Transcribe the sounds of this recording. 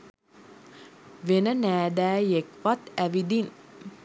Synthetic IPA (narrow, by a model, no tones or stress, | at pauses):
ʋenənæːd̪æːjekʋat̪æʋid̪in